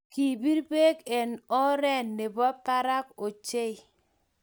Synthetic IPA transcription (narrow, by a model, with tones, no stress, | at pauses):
ki˨bi˦ɾbe˦kɛ˨nɔ˦ɾɛ˦˨nːe˨bɔ˦ta˦ɾa˦ko˨t͡ʃe˦i˨